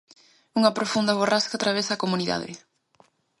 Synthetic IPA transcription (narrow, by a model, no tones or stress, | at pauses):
uŋɐpɾofund̪ɐβoraskat̪ɾaβ̞ɛzɐkomuniða̰ðɪ̰